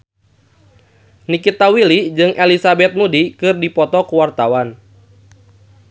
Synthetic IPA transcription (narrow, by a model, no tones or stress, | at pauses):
nikit̪awilid͡ʒɨŋʔɛlisabɛt̪̚mudikɨrdipɔt̪ɔkuwart̪awan